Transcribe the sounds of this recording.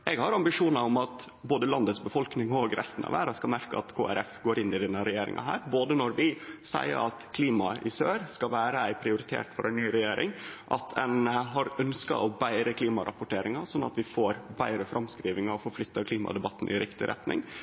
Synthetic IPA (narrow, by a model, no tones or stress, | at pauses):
ɛɡhɑɾɑmbɪʂuːnɑɔmɑt̪ | boːd̪əlɑnd̪ət̪sbəfɔlknɪŋɔɡɾɛ̰st̪ənɑ̰ʋæ̰ːɾɑskɑmæɾkəɑt̪kʰo̰ːæ̰ɾɛfɡoːɾɪnːɪd̪ɛnːəɾɛjeːɾɪ̰ŋɑ̰ɦæ̰ːɾboːd̪ənɔɾʋɪsæ̰ɪə̰ɾɑt̪kʰliːmɑɪsøːɾskɑʋæːɾəæɪpʰɾɪʊɾɪt̪ʰḛːʈfɔɾʔæɪnnyːɾɛjeːɾʔɪ̰ŋʔɑ̰t̪ʰɛnɦɑɾœnskɑ̰ʔɔbæɪɾəkʰliːmɑɾʔɑ̰pʊʈeːɾɪŋɑsɔnːɑ̰t̪ʋɪfoːɾbæɪɾəfɾʔɑmskɾiːʋɪŋɑɔfɔɾflʏt̪ːɑkʰliːmɑ̰d̪ɛbɑt̪ːn̩ʔɪ̰ɾɪkt̪ɪɾʔɛ̰t̪nɪ̰ŋ